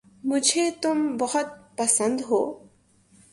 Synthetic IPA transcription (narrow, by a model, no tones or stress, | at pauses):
mʊd͡ʒʱet̪ʊmbɔɦʊt̪̚pɐsənd̪ɦoː